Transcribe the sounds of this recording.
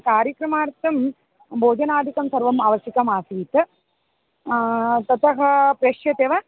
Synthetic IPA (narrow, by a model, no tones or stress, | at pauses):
kaːɾjɐkɾɐmaːɾt̪ɐm | bʱoːd͡ʒɐnaːd̪ʱikɐmsɐɾʋɐmaːʋɐsikɐmaːsiːt̪ɐ | t̪ɐt̪ɐɦɐ̆pɾɐʃjɐt̪eːʋɐ